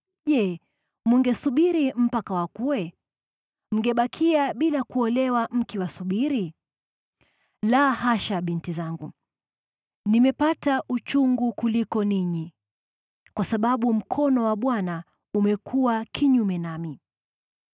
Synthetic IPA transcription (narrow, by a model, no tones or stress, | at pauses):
ʄɛ | muŋɡɛsuɓiɾim̩pakawakuwɛ | m̩ɡɛɓakʰiaɓilakuɔlɛwam̩kiwasuɓiɾi | lahaʃaɓintizaŋɡu | nimɛpataʔut͡ʃuŋɡukulikɔniɲi | kwasaɓaɓum̩kʰɔnɔwaɓwana | umɛkʰuwakʰiɲumɛnami